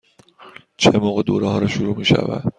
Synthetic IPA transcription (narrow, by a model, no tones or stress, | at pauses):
t͡ʃʰemoːɣed̪oːɾeɦɒːɾɒʃuɾuːmiːʃæ̰væ̰d̪̥